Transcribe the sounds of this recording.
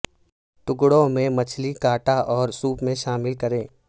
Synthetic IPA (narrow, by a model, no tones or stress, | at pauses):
ʈʊkɽõmẽmɐt͡ʃʰlikaːʈaʔɔːɾsuːpmẽʃaːmɪlkɐɾẽː